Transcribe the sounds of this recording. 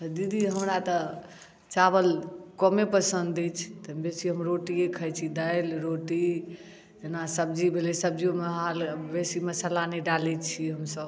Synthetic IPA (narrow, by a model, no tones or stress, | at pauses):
t̪əd̪id̪ʱiɦəmɾat̪ə | t͡ʃabəlkɔmepəsənd̪ɛt͡ʃʰt̪əbesiɦəmɾoʈiekʰəjt͡ʃʰid̪əjlɾoʈi | d͡ʒenasəb̚d͡ʒibʱelisəb̚d͡ʒiomeɦalbesiməsəlanɛɖalɛt͡ʃʰiɦəmsəb